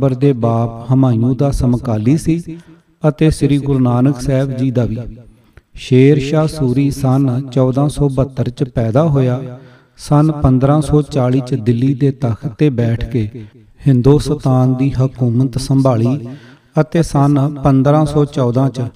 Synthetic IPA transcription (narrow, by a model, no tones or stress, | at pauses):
bəɾd̪eːbaːphəmaːijũːd̪aːsəmkaːliːsiː | ət̪eːsɾiːɡʊɾnaːnəksɛːbd͡ʒiːd̪aːʋiː | ʃeːɾʃaːsuːɾiːsənt͡ʃɔːd̪ãːsɔːbət̪ːəɾt͡ʃpɛːd̪aːɦoːjaː | sənpənd̪ɾãːsɔːt͡ʃaːɭiːt͡ʃd̪ɪlːiːd̪eːt̪əkʰt̪eːbɛːʈʰkeː | hɪnd̪oːsət̪aːnd̪iːɦəkuːmət̪səmbaːɭiː | ət̪eːsənpənd̪ɾãːsɔːt͡ʃɔːd̪ãːt͡ʃ